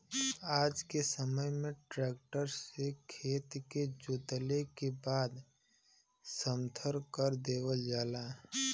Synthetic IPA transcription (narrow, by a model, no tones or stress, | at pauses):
aːd͡ʒkesəməjmẽʈɾɛːkʈəɾsekʰeːt̪ked͡ʒʊt̪lekebaːd̪ | səmt̪ʰəɾkəɾd̪eːwəld͡ʒaːlaː